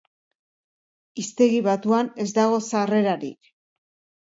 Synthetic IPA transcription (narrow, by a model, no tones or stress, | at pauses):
ist̪e̞ɣiβat̪uane̞zd̪aɣo̞sare̞ɾaɾḭk